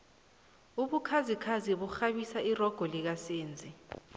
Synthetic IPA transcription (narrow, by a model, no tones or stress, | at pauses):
uɓukʰazikʰaziɓuxaɓisairɔɡ̥ʱɔlik̬aseːnd͡zʱi